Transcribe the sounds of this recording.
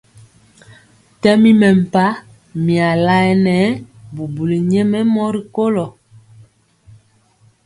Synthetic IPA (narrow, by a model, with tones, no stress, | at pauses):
tɛ˦mi˦mɛ˨m̩˨pa˦ | mi˨a˨la˦ɛ˨nɛ˨˦bu˨bu˨li˨ɲɛ˦mɛ˦mɔ˦ɾi˨ko˦lɔ˨